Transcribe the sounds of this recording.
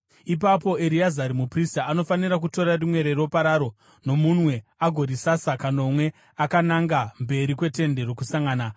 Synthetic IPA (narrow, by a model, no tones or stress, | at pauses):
ip̬apo̞eɾiazaɾimupristaːno̞faniɾak̬uto̞ɾarimwe̞ɾero̞paɾaɾo̞ | no̞munwe̞aɡʱo̞ɾisasakanomwe̞ | akanaŋɡambe̞ɾikwe̞te̞nde̞ɾo̞kusaŋɡaːna